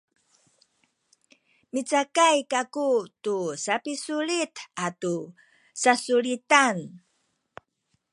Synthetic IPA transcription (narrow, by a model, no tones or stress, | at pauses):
mit͡sakajkakutusapisuɭitatu | sasuɭitan